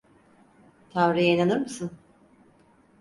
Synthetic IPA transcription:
t̪ʰamɾɯjainanɯɾmɯsɯn

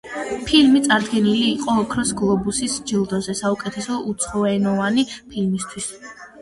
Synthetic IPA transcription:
pʰilmit̪sʼaɾd̪ɡɛniliːqʼɔːkʰɾɔsɡlˠɔbusisd͡ʒilˠd̪ɔzɛsaukʼɛt̪ʰɛsɔʔut̪sʰχɔɛnɔvanipʰilmist̪ʰwis

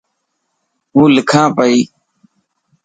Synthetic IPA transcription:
ɦũːlɪkʰãːpəiː

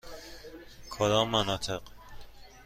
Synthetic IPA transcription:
kʰod̪ɒːmːanɒːt̪ʰeq

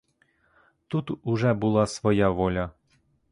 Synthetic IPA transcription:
t̪ut̪uʒɛbulˠɑsvojɑvolʲɑ

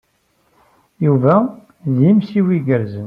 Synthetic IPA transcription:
juvæ | ðjimsiwiɡəɾzən

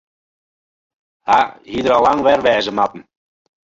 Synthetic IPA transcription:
haɦidəɾalˠaŋʋɛrʋɛːzəmatn̩

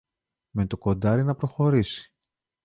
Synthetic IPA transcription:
me̞t̪o̞ko̞d̪ɐɾinɐpɾo̞xo̞ɾisi̥

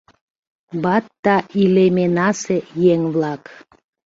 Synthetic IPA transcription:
bɑt̪ːɑʔilemenɑsejeŋβlɑk

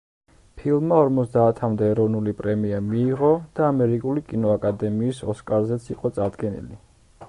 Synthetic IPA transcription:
pʰilˠmmːaɔɾmɔt̪sd̪aːt̪ʰamd̪ɛːɾɔvnulipʼɾɛmiamiːʁɔd̪̥aːmɛɾikʼulikʼinɔakʼad̪ɛmiːsɔskʼaɾzɛt̪sʰiqʼɔt̪sʼaɾd̪ɡɛnḭli

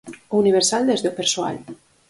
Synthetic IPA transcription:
uniβeɾsald̪ezðopeɾsua̰l

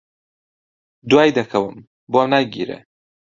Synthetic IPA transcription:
d̪uwajd̪akʰɐwɨm | bomnaɡḭɾḛ

